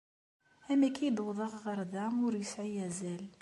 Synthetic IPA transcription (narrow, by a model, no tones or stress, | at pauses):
hæmækʰæjəd̪wðˤɑʁʁɑɾˤd̪æmʊɾjəsʕijæzæl